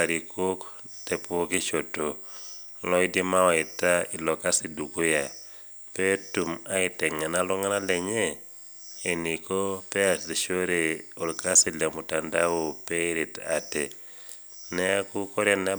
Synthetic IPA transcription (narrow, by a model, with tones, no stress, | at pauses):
a˨ɾi˨kʰo˦k | tɛ˨pu˦o˦ki˦ʃo˨to | lɔ˦i˦de˦ma˦wa˨i˨ta˦i˨lɔ˨ka˦si˨du˨ku˦ja˨ | pe˦tu˨ma˦i˨tɛ˨ŋa˨na˦lɔ˦ŋa˦na˦lɛ˨ɲe˦ | e˨ni˨ko˦pɛ˦a˨zi˨ʃo˦ɾe˨o˨lka˦si˨lɛ˨mu˨tanda˦wo˨pei˦ɾi˨ta̰tɛ˨ | nɛ˦a˦ku˦ko˦ɾja˨na˦